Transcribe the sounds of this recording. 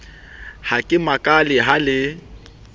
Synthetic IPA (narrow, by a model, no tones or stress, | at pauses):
hakʼɪmakʼalɪɦalɪ